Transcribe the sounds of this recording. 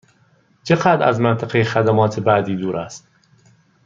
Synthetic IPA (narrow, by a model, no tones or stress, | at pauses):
t͡ʃʰeɢæd̪ɾæ̰zmænt̪ʰæqejexæd̪æmɒːt̪ʰebæːd̪iːd̪uːɾʔæst̪̚